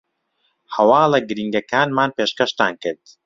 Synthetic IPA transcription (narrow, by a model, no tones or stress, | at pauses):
hɐwaːlɐɡɨɾiːŋɡɐkaːnmaːnpeːʃkɐʃt̪aːnkɨɾd̪̥